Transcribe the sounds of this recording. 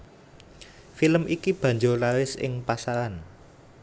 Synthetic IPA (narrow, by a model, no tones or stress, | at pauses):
filəmʔikib̥ä̤ɲd͡ʒolalɪsɪ̰ŋpasaɾan